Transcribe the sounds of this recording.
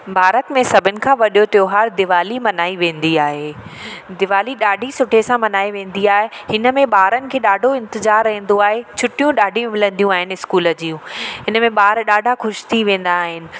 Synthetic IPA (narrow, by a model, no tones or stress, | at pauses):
bʱaːɾət̪mẽsɐbʱɪnɪ̆kʰãʋɐɗijot̪ɐjoɦaːɾd̪ɪʋaːlimɐnaːiʋẽːnd̪iaːɦeːd̪ɪʋaːliɗaːɖʱisʊʈʰesãmɐnaːiʋẽːn̆d̪iaːɦehɪnəmẽɓaːɾənɪ̆kʰeːɗaːɖʱoɪ̃nt̪ɪzaːɾːɐɦĩːn̆d̪oaːɦet͡ɕʰʊʈijũɗaːɖʱijũmɪlə̃nd̪ijũaːɦɪnɪɪskuːlə̆d͡ʑiːũɦɪnəmẽɓaːɾɗaːɖʱaxʊʃɪ̥t̪ʰiʋẽːn̆d̪aːɦɪnɪ̆